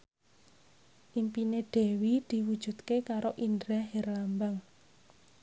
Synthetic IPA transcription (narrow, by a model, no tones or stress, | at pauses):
ʔimpineɖ̥e̤wid̪̥i̤wud̥d͡ʒ̥ṳt̪kekaɾoʔind̪ɾɛɦɛrlambaŋ